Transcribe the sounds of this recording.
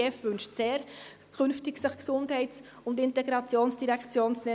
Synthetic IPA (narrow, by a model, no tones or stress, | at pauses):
ɛfʋʏnʃtseːɾ | kʰχʏnftɪksəχksʊndhɛɪts | ʊndɪntɛɡɾɑt͡sjoːnsd̥iɾɛkχt͡sjoːnt͡snɛ